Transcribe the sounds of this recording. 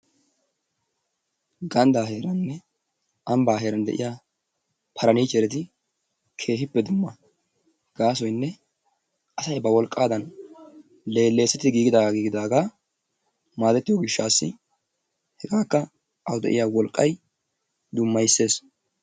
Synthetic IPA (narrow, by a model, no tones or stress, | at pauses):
ɡɐnd̪aːɦe̞ːɾɐnnːɛ | ʔɐmbaːɦe̞ːɾɐnd̪ɛ̰ʔɪ̰jaː | pʰɐɾɐniːt͡ʃɛɾɛt̪̬ɪ | kʰe̞ːɦɪpːɛd̪ʊmːɐ | ɡ̥aːs̬ɔjnːɛ | ʔɐsɐjbɐwɔlkʼːaːd̪ɐn | le̞ːlːe̞ːsːɛt̪ːɪɡiːɡɪd̪aːɡɡiːɡɪd̪aːɡaː | maːt̪ɛt̪ːɪjoɡɪʃːaːsːɪ̰ | hɛɡaːkːɐ | ɐwd̪ɛ̰ʔɪjaːwɔlkʼːɐj | d̪ʊmːɐjsːe̞ːs